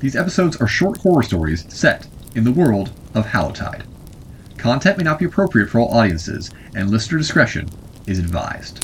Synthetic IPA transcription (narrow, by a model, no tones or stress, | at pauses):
ðizɛpɨ̥soʊdzə˞ʃɔɹt̚kʰw̥ɔɹəstɔɹḭz̥sɛɾ | ɨ̃nðəwɜ˞lˠd | ʌv̥hæ̰lˠə̰tʰa̰ɪd̥ | kʰɑ̃ntʰɛ̃nʔmeɪnət̚b̥iɨpʰɹ̥oʊpʰɹiɨtfə˞ɔlˠʔɔɾiɨ̃nsɪ̰z | ɨ̃nlɪstə˞dɨskɹɛʃɨ̰̃n | ɨzɨdva̰ɪz̥d̥